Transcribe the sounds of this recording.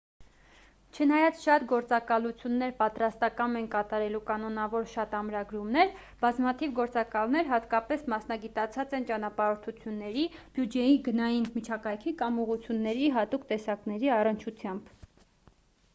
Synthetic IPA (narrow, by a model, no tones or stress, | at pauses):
t͡ʃʰənɑjɑt͡sʃɑt̪ɡɔɾt͡sɑkɑlut͡sʰjunːɛɾpɑt̪ɾɑst̪ɑkɑnɛnkɑt̪ɑɾɛlukɑnɔnɑvɔɾʃɑt̪ɑmɾɑɡɾumnɛɾ | bɑzmɑt̪ʰivɡɔɾt͡sɑkɑlnɛɾɦɑt̪kɑpɛsmɑsnɑɡit̪ɑt͡sʰɑt͡sɛnt͡ʃɑnɑpɑɾɔɾt̪ʰut͡sʰjunːɛɾib̥jud͡ʒɛjiɡənɑjinmit͡ʃʰɑkɑjkʰikɑmuʁut͡sʰjunːɛɾiɦɑt̪ukt̪ɛsɑknɛɾiɑrənt͡ʃʰut͡sʰjɑmb̥